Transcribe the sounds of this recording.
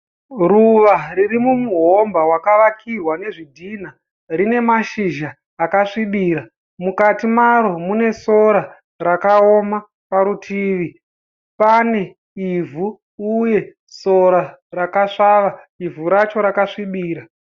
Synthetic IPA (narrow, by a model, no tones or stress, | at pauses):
ruʋaririmumuɦombawakaʋakʰirwane̞ʐidʱin̤a | rine̞maʃiʒaː | kaʂiɓiːɾa | mukatimaɾo̞mune̞so̞ɾa | rakaoma | paɾutʰiːʋi | pane̞ | ivʱu | uje̞ | soɾa | rakaʂaːʋa | ivuɾat͡ʃo̞ɾakaʂiɓiːɾa